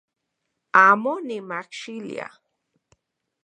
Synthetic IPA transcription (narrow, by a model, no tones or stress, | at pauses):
aːmonimakʃilḭa̰